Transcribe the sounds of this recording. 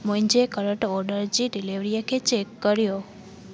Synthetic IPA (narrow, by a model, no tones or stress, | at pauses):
muɲd͡ʒekəɾəʈɔɾɖəɾd͡ʒiɖiliʋɾijaket͡ʃekːəɾjo